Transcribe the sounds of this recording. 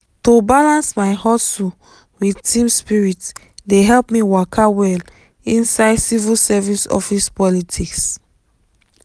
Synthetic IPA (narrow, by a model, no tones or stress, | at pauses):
tobalãnsmaɪhɔsul | widtʰĩmspiɹit | deɦɛlpmiwakʰawɛl | ĩnsaɪdsivilsɛvisɔ̰fispɔlitʰiks